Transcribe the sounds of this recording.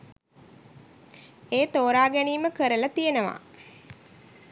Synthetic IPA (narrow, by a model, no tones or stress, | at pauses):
eːt̪oːɾaːɡæniːməkəɾəlat̪ijenəʋa̰